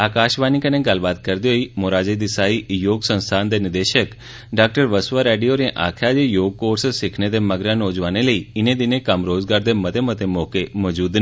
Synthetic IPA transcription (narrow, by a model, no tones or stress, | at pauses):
aːkaːʃʋaːnɪkənẽɡəlbaːt̪̚kəɾd̪iɦoimoɾaːd͡ʒed̪ɪsaːijoːɡsə̃nst̪ʰaːnd̪enɪd̪eːʃək | ɖaːk̚ʈəɾʋəsʋaɾeːɖijoɾẽʔa̰ːkʰad͡ʒejoːɡ̚koːɾssɪkʰned̪eməɡɾãnoːd͡ʒʋaːneləiɪned̪ɪnekəmɾoːzɡaːɾd̪emɐt̪emət̪emɔːkemɔd͡ʒuːd̪n